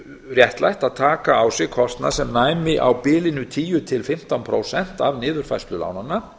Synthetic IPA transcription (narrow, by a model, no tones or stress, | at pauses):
rjɛht̪lʔa̰jht̪aðt̪ʰaːkaːwsɪɣkʰɔst̪na̰sɛmnaːjmɪʔa̰wpɪːlɪnʏt̪ʰiːjʏt̪ʰɪlfɪm̥t̪anpʰɾo̰wsɛn̥t̪avnɪːðʏɾ̥fajst̪lʏla̰wnanːa